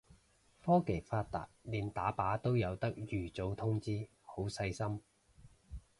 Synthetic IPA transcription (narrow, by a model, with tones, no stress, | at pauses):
fɔː˥ke˨˩faː˧t̚t̪a̰ː˨t̚liː˨˧nt̪aː˨˥paː˨˥t̪o˥wjɐ˨˧wt̪ɐ˥k̚jyː˨˩t͡so˨˧wt̪ʰʊ˥ŋt͡siː˥ | ho˨˥wsɐ˧jsɐ˥m